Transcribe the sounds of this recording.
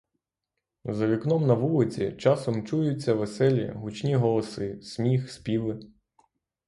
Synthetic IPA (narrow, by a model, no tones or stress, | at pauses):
zɐʋʲiknɔmnɐʋulˠɪt͡sʲḭt͡ʃɑsɔmt͡ʃujʊt͡sʲːɐʋesɛlʲḭɦʊt͡ʃnʲiɦɔlˠɔsɪsmʲixspʲiʋɪ